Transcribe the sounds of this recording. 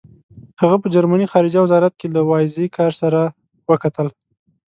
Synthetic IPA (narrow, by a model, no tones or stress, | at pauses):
haɣapəd͡ʒaɾmanixɑɾɪd͡ʒawɪzɑɾat̪̚kelawɑjzekʰɑɾsaɾa | wəkat̪əl